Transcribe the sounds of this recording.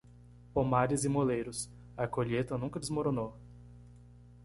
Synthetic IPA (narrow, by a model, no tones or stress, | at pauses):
pomaɾɪzɪmolejɾʊs | ɐkoʎet̪ɐnũkɐd̪ɪzmoɾonow